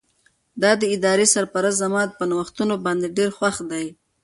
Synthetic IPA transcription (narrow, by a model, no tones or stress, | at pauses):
d̪ɑd̪əɪd̪ɑɾesaɾpaɾas̬zamɑt̪̚pənawəxt̪unobɑnd̪eɖeɾxwaxd̪aj